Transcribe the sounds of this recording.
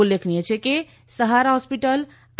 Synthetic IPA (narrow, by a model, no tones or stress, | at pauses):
ulekʰnijɛt͡ʃʰɛke | səɦaɾaɦɔspiʈəl